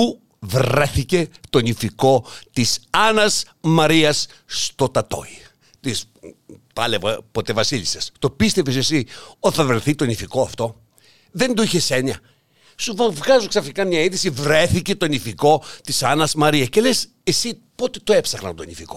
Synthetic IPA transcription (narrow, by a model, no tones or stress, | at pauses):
u | vɾeθice̞t̪o̞nifiko̞t̪isɐnɐz | mɐɾiɐssːt̪o̞t̪ɐt̪o̞̰i | t̪is | pɐlevɐpot̪evɐsilisɐst̪opist̪efisesiot̪iθɐvɾeθit̪o̞nifiko̞ɐft̪o̞ | ðe̞nd̪oiçe̞seɲɐ | suvɐvɣɐzoksɐfikɐmɲɐiðisivɾe̞θice̞t̪o̞nifiko̞t̪isɐnɐzmɐɾiɐsce̞le̞s | e̞si | po̞t̪et̪oepsɐxnɐ̰nt̪onifiko̞